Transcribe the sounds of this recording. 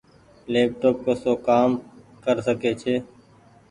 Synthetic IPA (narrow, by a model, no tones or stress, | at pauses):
leːp̚ʈoːp̚koːsoːkaːm | kəɾsəkeːt͡ʃʰeː